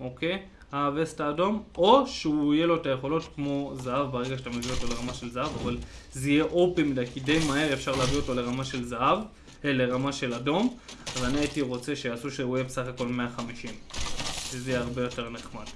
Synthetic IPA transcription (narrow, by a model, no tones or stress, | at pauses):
o̞ke̞j | aːvestaːdo̞mo̞ʃeuije̞lo̞etaje̞χo̞lo̞tkmo̞zaavbeʁeɡaʃḁt̪amevioto̞leʁamaʃe̞lzaavaval | zijeʔopimidajkide̞jmahe̞ʁefʃaʁleavio̞to̞le̞ʁamaʃe̞lzaav | elːe̞ʁamaʃe̞lado̞mavaanietiʁo̞t͡se̞ʃejasuʃeujebesaχako̞lme̞aχamiʃimvezejeaʁbe̞jo̞te̞ʁneχmad̥